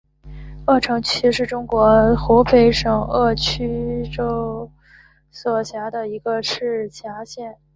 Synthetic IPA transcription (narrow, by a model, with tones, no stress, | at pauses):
ɤ˥˩ʈ͡ʂʰɤ˧˥ŋt͡ɕʰy˥ʂɻ̩˥˩ʈ͡ʂʊ˥ŋkwɔ˧˥xu˧˥pe˧˥ɪʂɤ˨˩ŋɤ˥˩t͡ɕʰy˥ʈ͡ʂo˥ʊ | swɔ˨˩ɕja˧˥d̪ə˧i˧˥ɡə˧ʂɻ̩˥˩t͡ɕʰja˧˥ɕjɛ˥˩n